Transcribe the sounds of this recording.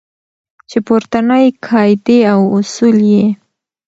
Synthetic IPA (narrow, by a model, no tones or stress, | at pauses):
t͡ʃepʊɾt̪anəjkʰɑjd̪eawʊsulje